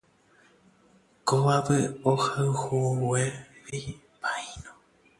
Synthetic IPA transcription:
koβapɨohawhueβi | paĩno

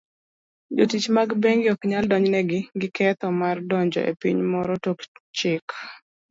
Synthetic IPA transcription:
d͡ʒotit͡ʃmaɡbeŋɡjɔkɲaldɔɲnɛɡɪɡɪkʰɛt̪ɔmardɔɲd͡ʒɔ̰ʔḛpḭɲmɔɾɔtokt͡ʃɪk

